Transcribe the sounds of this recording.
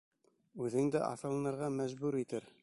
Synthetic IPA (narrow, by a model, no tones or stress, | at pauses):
ʉðɘ̆ŋd̪ɘʔɑ̰θɤ̆lˠɤ̆nɤ̆ɾʁɑmæʑbʉɾit̪ɘɾ